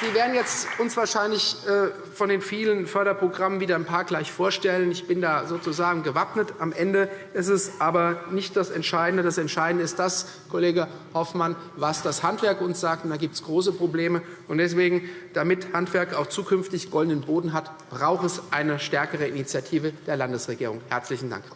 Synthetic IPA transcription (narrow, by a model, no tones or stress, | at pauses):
z̥iːɐveːɐdn̩jɛt͡stʔʊnsv̥aːɐʃaɪnlɪçɛː | fɔndeːnfiːlənfœɐɾɐpʁ̥oɡʁamənviːdɐnpʰaːɐɡlaɪçfoːɐʃtɛlənɪçb̥ɪndaːzoːt͡suzaːɡŋ̩ɡəvapnətamʔɛndəʔɪstɛsʔaːbɐnɪçtd̥asɛntʃaɪdn̩dədasɛntʃaɪdn̩dəɪstd̥as | kʰoleːɡə | hɔfman | vasd̥ashantv̥ɛɐkʔʊnsz̥aːk̚td̥aːɡiːp̚tsɡ̥ʁoːs̬əpʁ̥obleːmə | ʔʊntd̥ɛsv̥eːɡŋ̩d̥amɪthantv̥ɛɐkaʊxt͡suːkʰʏnftɪçɡ̥ɔldn̩ənboːdn̩ɦatb̥ʁaʊxɛsʔaɪnəʃtɛɐkəʁəinit͡sjatʰiːvəd̥eːɐlandəsʁeɡiːʁ̞ʊŋhɛɐt͡slɪçn̩da̰ŋk